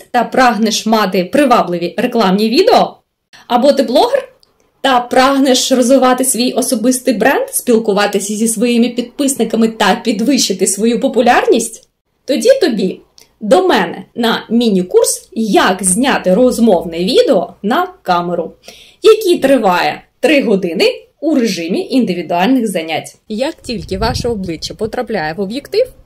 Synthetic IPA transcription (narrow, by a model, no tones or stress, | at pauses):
t̪ɐpɾɑɦnɛʃmɑt̪ɪpɾɪʋɑblˠɪʋʲireklˠɑmnʲiʋʲid̪eɔ | ɐbɔt̪ɪblˠɔɦer | t̪ɐpɾɑɦnɛʃrɔzʋɪʋɑt̪ɪsʋʲijʔɔsɔbɪst̪ɪjbɾɛnd̪sʲpʲilˠkʊʋɑt̪ɪsʲɐzʲisʋɔjimɪpʲid̪̚pɪsnɪkɐmɪt̪ɐpʲid̪ʋɪt͡ʃɪt̪ɪsʋɔjupɔpʊlʲɑrnʲisʲtʲ | t̪ɔdʲit̪ɔbʲi | d̪ɔmɛnɛ̰nɐmʲinʲikursjɐkzʲnʲat̪ɪɾɔzmɔwnɪʋʲid̪eɔnɐkɑmeɾʊ | jɐkʲit̪ɾɪʋɑjɛ̰t̪ɾɪɦɔd̪ɪnɪ | uɾeʒɪmʲiʔind̪ɪʋʲid̪ʊɑlʲnɪɣzɐnʲatʲjɐktʲilʲkɪʋɑʃɛɔblˠɪt͡ʃːɐpɔt̪ɾɐplʲajɛʋɔbjekt̪ɪw